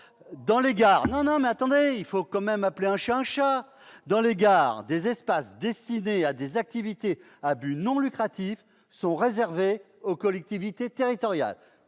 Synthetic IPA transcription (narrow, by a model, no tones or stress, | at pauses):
d̪ɑ̃leɡaːʁnɔ̃nɔ̃mɛat̪ɑ̃d̪eilfokɑ̃mɛmapleɛ̃ʃaɛ̃ʃa | d̪ɑ̃leɡaːʁd̪ezɛspasd̪ɛst̪inead̪ezak̚t̪ivit̪e | abynɔ̃lykχat̪if | sɔ̃ʁezɛʁve | okɔlɛk̚t̪ivit̪et̪eʁit̪ɔʁja̰l